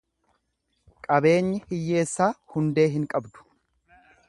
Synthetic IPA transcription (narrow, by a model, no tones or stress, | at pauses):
kʼɐbe̞ːɲːɪhɪjːe̞ːsːaːhʊnd̪e̞ːɦɪŋkʼɐbd̪ʊ̥